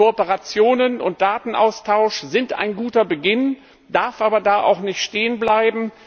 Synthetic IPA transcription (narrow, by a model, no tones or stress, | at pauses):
oɔpəʁat͡sjoːnənʊnt̚d̥aːtn̩ʔa̰ʊstʰaʊʃz̥ɪnta̰ɪnɡuːtɐbəɡɪn | d̥aɐfʔaːbɐdaːʔa̰ʊxnɪçtʃteːənblaɪbm̩